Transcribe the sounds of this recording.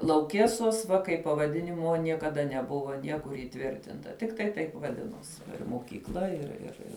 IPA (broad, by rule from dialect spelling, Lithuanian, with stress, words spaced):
lˠɐʊˈkʲeːsoːs ʋɐ kɐɪp pɐʋɐˈdʲɪnʲɪmoː nʲiɛkɐˈdɐ nʲɛˈbʊʋoː ˈnʲiɛkʊr iːˈtʲʋʲɪrʲtʲɪntɐ ˈtʲɪktɐɪ tɐɪp ʋɐˈdʲɪnuɔsʲɪ moːkʲiːkˈlˠɐ ɪr ɪr ˈɪr